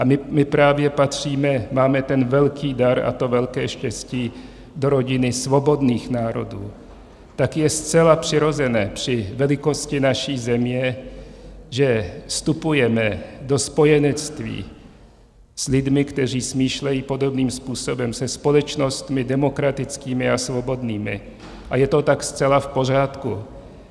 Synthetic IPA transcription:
ʔamɪmɪpɾaːvjɛpat̪r̝̥iːmɛmaːmɛt̪ɛnvɛlkʰiːdaɾa̰t̪ovɛlkɛːʃcɛsciː | doɾo̞ɟɪnɪsvo̞bo̞d̪niːxnaːɾo̞̰dṵː | t̪akjɛst͡sɛlapr̝̥ɪɾo̞zɛnɛːpr̝̥ɪvɛlɪko̞scɪnaʃiːzɛmɲɛ | ʒɛst̪upujɛmɛdospo̞jɛnɛt͡st̪vḭː | slɪd̪mɪkt̪ɛr̝iːsmiːʃlɛjiːpo̞dobniːmspuːso̞bɛmsɛspo̞lɛt͡ʃnost̪mɪdɛmokɾat̪ɪt͡skiːmɪasvobo̞d̪niːmɪ̰ | ʔajɛt̪o̞t̪akst͡sɛlafpo̞raːt̪ku

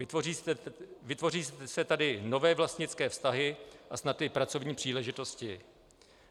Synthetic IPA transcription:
ɪoi | vɪt̪vo̞riːssɛt̪adɪno̞vɛːvlast̪ɲɪt͡skɛːfst̪aɦɪʔasnat̪ɪpɾat͡sovɲiːpr̝̥iːlɛʒɪt̪o̞scɪ

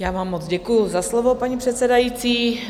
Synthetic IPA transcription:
jaːvaːmːod͡zɟɛkujʊzaslovopaɲipr̝̥ɛt̪t͡sɛdajit͡siː

